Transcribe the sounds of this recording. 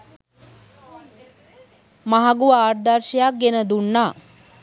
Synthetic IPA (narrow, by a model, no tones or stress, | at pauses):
maɦaɡuʋaːrd̪arʃejak̚ɡenəd̪unːaː